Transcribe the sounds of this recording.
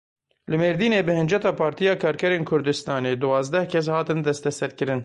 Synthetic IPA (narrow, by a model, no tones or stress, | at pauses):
lɨmeːɾd̪iːneːbɨhɨnd͡ʒɛt̪ɑːpʰɑːɾt̪ijɑːkʰɑːɾkʰɛɾeːnkʰʊɾd̪ɨst̪ɑːneːd̪ɨwɑːzd̪ɛhkʲʰɛs̬hɑːt̪ɨnd̪ɛst̪ɛsɛɾkɨɾɨn